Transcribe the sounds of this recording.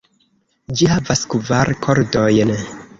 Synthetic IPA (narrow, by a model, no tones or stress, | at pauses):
d͡ʒihavaskvaɾkʰo̞ɾdo̞jn